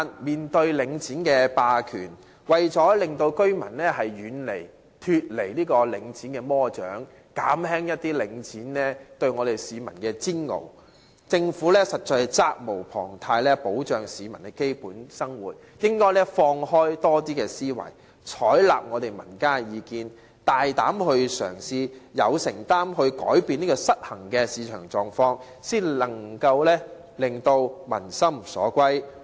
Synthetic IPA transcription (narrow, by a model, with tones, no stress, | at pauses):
nmiː˨˩nt̪ɵ˧ɥlɪ˨˧ŋt͡sʰiː˨˥nkɛː˧paː˧kʰyː˨˩n | wɐ˨˩jt͡ʃɔː˨˥lɪ˨ŋt̪o˧wkɵ˥ɥmɐ̰˨˩nlɛː˥hɐ˨jɥyː˨˧nle˨˩j | t̪ʰyː˧t̚le˨˩jliː˥kɔː˧lɪ˨˧˥ŋt͡sʰiː˨˥nkɛː˧mɔː˥t͡ʃœ̰ː˨˥ŋ | kaː˨˥mhɛː˥ŋjɐ˥t̚t̪iː˥lɪ˨˧ŋt͡sʰiː˨˥nnɛː˥t̪ɵ˧ɥŋɔː˨˧ɾe˨jsiː˨˧mɐ˨˩nkɛː˧t͡siː˥nŋo̰˨˩w | t͡sɪ˧ŋfuː˨˥lɛː˥sɐ˨t̚t͡ʃɔː˧t͡saː˧k̚mo˨˩wpʰɔ̰ː˨˩ŋt̪ʰaː˧jlɛː˥po˨˥wt͡ʃœː˨ŋsiː˨˧mɐ˨˩nkɛ˧ke˥jpuː˨˥nsɐ˥ŋwuː˨t̚ | jɪ˥ŋkɔː˥jlɛː˥fɔː˧ŋhɔː˥jt̪ɔː˥t̪̬iː˥kɛː˧siː˥wɐ̰˨˩j | t͡ʃʰɔː˨˥jlaː˨p̚ŋɔː˨˧t̪e˨jmɐ˨˩nkaː˥jiː˨˧kiː˧n | t̪aː˨jt̪aː˨˥mhɵ˧ɥsœ̰ː˨˩ŋsiː˧jɐ˨˧wsɪ˨˩ŋt̪aː˥mɦɵ˧ɥkɔ̰ː˨˥jpiː˧niː˥kɔː˧sɐ˥t̚hɐ˨˩ŋkɛː˧siː˨˧t͡ʃʰœ̰ː˨˩ŋt͡sɔː˨˧ŋfɔː˧ŋ | siː˥nlɐ˨˩ŋkɐ˧wlɛː˥ | lɪ˨ŋt̪o˧wmɐ̰˨˩nsɐ˥msɔ̰ː˨˥kʷɐ˥j